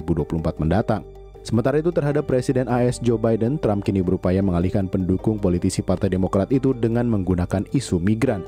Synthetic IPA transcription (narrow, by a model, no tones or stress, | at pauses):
buduapulumpat̪̚məndat̪aŋ | səmənt̪aɾait̪ut̪ərɦadapːɾesidɛnaɛsd͡ʒobajdənt̪ɾamkinibəɾupajaməŋalihkanpəndukʊŋpolit̪isipart̪ajdemokɾat̪it̪udəŋanməŋɡunakanisumiɡɾan